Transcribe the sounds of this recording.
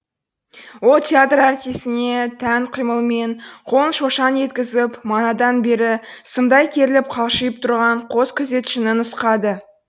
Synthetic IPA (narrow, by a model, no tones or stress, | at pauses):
wo̞lˠt̪ʲʰeat̪ræɾt̪ijsɪne̞t̪ʰæŋqʰijməlˠme̞ɴqʰo̞nʃo̞ʃɑne̞t̪kʲɪzɪpmɑnɑd̪ɑnbe̞ɾɪsəmd̪ɑjkʲʰe̞ɾɪlɪp̚qʰɑlˠʃijəp̚t̪ʰʊɾʁɑɴqʰo̞skʲʰʏze̞t̪ʃɪnɪnʊsqɑd̪ə